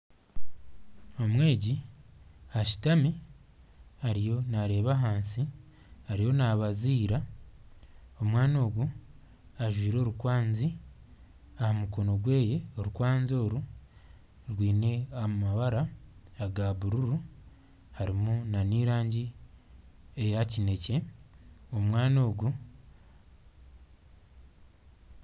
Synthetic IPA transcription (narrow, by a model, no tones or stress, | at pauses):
o̞mwe̞ːɟi | aʃi̥tami | aɾijo̞naɾe̞ːβaɦaːnsi | aɾijo̞naβaziːɾa | o̞mwaːno̞ːɡwu | aʒwiːɾo̞ːɾukwaːnzi | ahamuko̞noɡwe̞ːje̞oɾukwaːnzo̞ːɾu | ɾwiːne̞aumaβaɾaaɡaβuɾuɾu | haɾimunaniːɾaːɲɟi | ejacine̞ce̞ | o̞mwaːno̞ːɡu